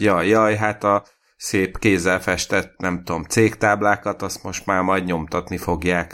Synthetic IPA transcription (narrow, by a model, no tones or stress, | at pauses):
jɒjɒjɦat̪ɒ | seːpkeːzɛlfɛʃt̪ɛt̪nɛmt̪uo̞mt̪seːkt̪aːblaːkɒt̪ɒst̪mo̞ʃt̪maːrmɒjd̪ɲo̞mt̪ɒt̪nifo̞ɡjaːk